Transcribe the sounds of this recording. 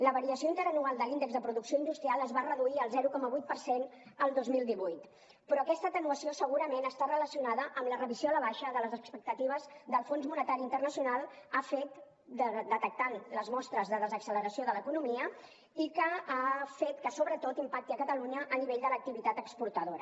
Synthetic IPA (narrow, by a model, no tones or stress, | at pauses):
ləβəɾiəsjoint̪əɾənualˠd̪əlind̪əɡzðəpɾuðuksioind̪ust̪ɾialˠəzβarəðuiəlˠzɛɾukɔməβujt̪̚pəɾsenəlˠd̪ozmilˠd̪iβujt̪ | pɾɔːkɛst̪ət̪ənuəsiosəɣuɾəmenəst̪arələsiunaðəʔəmlərəβizoaləβaʃəðələzəkspək̚t̪ət̪iβ̞əzd̪əlˠfonzmunət̪aɾint̪ərnəsiunalˠafet̪ | d̪əd̪ət̪ək̚t̪anləzmɔst̪ɾəzðəðəzəksələɾəsioðələkunumiə | ikəafet̪kəsoβɾət̪ot̪impak̚t̪iəkət̪əluɲəʔːniβeʎd̪ələk̚t̪iβit̪at̪əkspuɾt̪əðoɾə̰